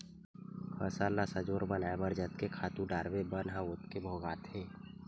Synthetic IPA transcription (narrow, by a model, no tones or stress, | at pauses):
kʰəsaːlasəd͡ʒəɾbənaaebəɾd͡ʒət̪̚kekʰaːt̪ũɖaːɾbebənɦãʊt̪kebʱoːɡaːt̪ʰẽː